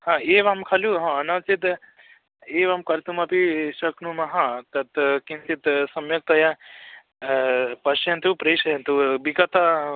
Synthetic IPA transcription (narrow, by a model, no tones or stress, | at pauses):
hãeːʋaːmkʰaluɦãɐnat͡sit̪ | eːʋamkɐɾt̪umɐpiʃɐkʰnumɐɦãt̪ɐt̪kĩnt̪it̪sɐmjɐk̚t̪ɐja | pɐʃɐnt̪upɾeːʃɐɦent̪ubikɐt̪a